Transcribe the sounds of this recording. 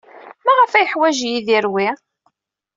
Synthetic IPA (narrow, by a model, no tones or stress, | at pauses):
mæʁæfæjəħwæʒjiðiɾwi